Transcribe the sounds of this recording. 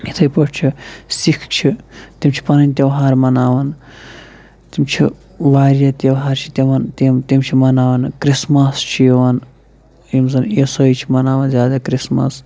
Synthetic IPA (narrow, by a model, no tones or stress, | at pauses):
it̪ʰɐjpoʈʰt͡ʃʰisikʰt͡ʃʰit̪imt͡ʃʰi̥pɐnɐnʲt̪ʲeʋɦaːɾmɐnaːʋɐn | t̪imt͡ʃʰḭ | ʋaːɾjɐt̪eɐʋɦaːɾt͡ʃʰi̥t̪ʲiʋɐnt̪emt̪imt͡ʃʰimɐnaːʋɐnkɾismɐst͡ʃʰijiʋɐn | imzɐnesoit͡ʃʰimɐnaːʋɐnzʲjaːd̪akɾismɐ̰s